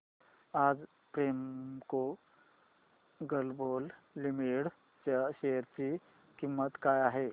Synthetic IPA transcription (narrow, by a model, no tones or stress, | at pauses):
ad͡z | pɾemko | ɡəlbol | limiɽ | t͡ɕaɕejəɾt͡ɕi | kimːət̪kajaɦe